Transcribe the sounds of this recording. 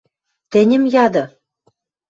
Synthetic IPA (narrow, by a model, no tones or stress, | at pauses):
t̪ɘ̆nʲɘ̆mjɑd̪ɤ̆